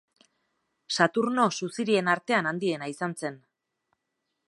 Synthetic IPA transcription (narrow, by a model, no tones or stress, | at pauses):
sat̪uɾno̞susiɾie̞naɾt̪e̞anand̪ie̞naisanse̞n